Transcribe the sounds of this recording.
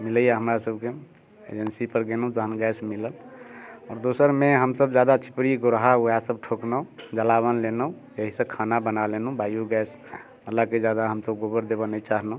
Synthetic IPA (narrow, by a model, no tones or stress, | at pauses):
miləjaɦəmɾasəb̚ke | ḛd͡ʒənsipəɾɡenũd͡ʒ̪əɦənɡɛsmiləl | ɔːɾd̪osəɾmeɦəmsəbd͡ʒad̪at͡ʃʰi̥pɾiɡoɾɦauasəb̚ʈʰoknə̃d͡ʒəlaβənlenəũ | jəɦisə̃kʰanabənalenũbajuɡɛs | məlːaked͡ʒad̪aɦəmsəbɡobəɾd̪ebənət͡ʃaɦnə̃